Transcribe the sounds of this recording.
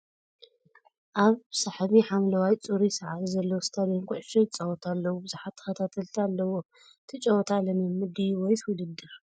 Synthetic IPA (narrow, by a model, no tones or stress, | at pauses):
ʔaβsaħaβiħamlɐwajt͡sʼuɾisɐʕalizɐlːowst̪ʰad̪jonkʰoʔʃɐjt͡sʼɐwɔt̪ʰalːɐwubɨzuħat̪ʰːɨ̥xɐt̪ʰat̪ʰɐlt̪ʰialːɐwo | t̪ʰɨt͡ʃʼɐwt̪ʰalɐmɨmːɨd̪iwɔjt̪ʰwʊlɨd̪ːɨɾ